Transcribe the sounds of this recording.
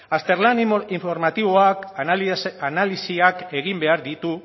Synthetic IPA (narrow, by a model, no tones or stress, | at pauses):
ast̪e̞ɾlaniɱfoɾmat̪iβo̞ak | analisiake̞ɣ̞imbe̞aɾðit̪u